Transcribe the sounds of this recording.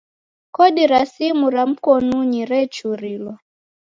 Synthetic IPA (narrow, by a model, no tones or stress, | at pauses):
kɔdiɾasimuɾam̩kɔnuɲiɾɛt͡ʃuɾilwɔ